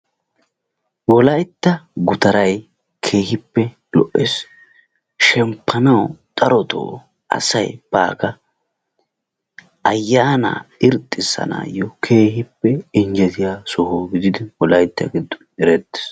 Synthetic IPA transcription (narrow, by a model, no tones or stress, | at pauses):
wɔlɐjt̪ːɐɡʊt̪ɐɾɐj | kʰe̞ːhɪpːɛ | lɔʔes | ʃɛmpʰːɐnɐwt̪ʼɐɾɔt̪o̰ː | ʔɐ̰sɐjb̥a̰ːɡɐ | ʔɐjːaːna̰ːɪɾt̪ʼːɪsːɐ̰na̰ːjɔkʰe̞ːhɪpːɛɪnd͡ʒɛt̪ɪjaːsɔhoːɡɪd̪ɪd̪ɪwɔlɐjt̪ːɐ̰ɡɪd̪ːɔ̥nɛɾɛt̪ːɪ̥s